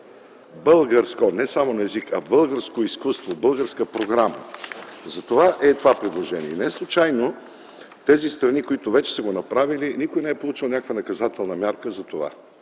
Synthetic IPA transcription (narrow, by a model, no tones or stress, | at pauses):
bɤlˠɡəɾskonɛsamonɐɛzikɐbɤlˠɡəɾskoiskust̪vobɤlˠɡəɾskəpɾoɡɾamə̰zɐt̪ovaʔɛt̪ovapɾid̪lˠoʒɛniɛinɛslˠʊt͡ʃajno | ft̪ɛzist̪ɾɐnikoit̪ovɛt͡ʃɛ̥səɡonɐpɾavilinikojnɛɛpolˠut͡ʃilˠnʲakəkvənɐkɐzat̪ɛlˠnɐmʲjaɾkəzɐt̪ova̰